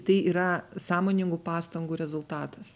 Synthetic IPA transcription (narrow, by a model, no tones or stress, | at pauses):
t̪ɐɪiːɾɐsɑːmoːnʲɪŋɡuːpɑːst̪ɐŋɡuːɾʲɛzʊlˠt̪ɑːt̪ɐs